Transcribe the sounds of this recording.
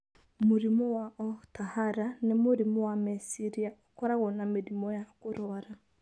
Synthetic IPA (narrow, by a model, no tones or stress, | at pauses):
moɾimɔwaʔɔtahaɾanemoɾimɔwamesiɾiaokɔɾaɣɔnameɾimɔjakoɾɔaɾa